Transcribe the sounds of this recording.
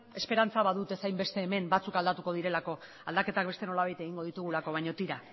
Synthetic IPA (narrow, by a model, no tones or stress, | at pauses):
e̞spe̞ɾant͡saβaðut̪e̞sajmbe̞st̪e̞ːme̞mbat͡sukald̪at̪uko̞ðiɾe̞lako̞ | ald̪ake̞t̪ak̚be̞st̪eno̞laβajt̪e̞ɣiŋɡo̞ð̞it̪uɣ̞ulako̞β̞ajɲo̞t̪iɾa